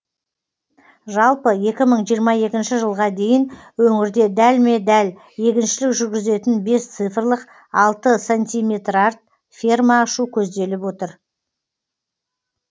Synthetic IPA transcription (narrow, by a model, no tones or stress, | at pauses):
ʒɑlˠpəje̞kʲɪməɴʒijəɾmɑje̞kʲɪnʃɪʒəlˠʁɑd̪e̞jɪnwɵŋɪɾd̪e̞d̪ælme̞d̪æl | je̞kʲɪnʃɪlɪkʒʏɾɡʲɪze̞t̪ɪnbe̞st̪sɨjfrlˠəq | ɑlˠt̪əsanʲt̪ʲijmʲe̞t̪rɑrt̪̚ | fʲermaːʃukʲʰɵzd̪e̞lɪpwo̞t̪əɾ